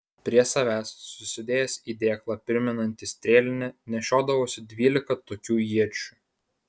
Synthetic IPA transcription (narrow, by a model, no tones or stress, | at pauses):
pʲɾʲiɛsɐʋʲæːsːʊsʲɪd̪ʲeːjɛsiːd̪ʲeːklˠɑpʲɪɾʲmʲɛnɐnʲt̪ʲɪsʲt̪ʲɾʲeːlʲɪnʲɛnʲɛʃʲoːd̪ɐʋoːsʲɪd̪ʲʋʲiːlʲɪkɐt̪oːkʲuːjiɛt͡ʃʲuːˑ